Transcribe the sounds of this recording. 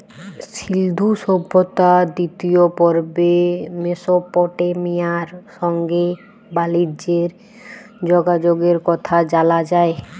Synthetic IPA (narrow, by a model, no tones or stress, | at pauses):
ʃild̪ʱuʃɔbʱːot̪ad̪it̪iopɔɾbemeʃopɔʈemijaɾʃɔŋɡe | balid͡ʑeɾ | d͡ʑoɡad͡ʑoɡeɾkɔt̪ʰad͡ʑalad͡ʑae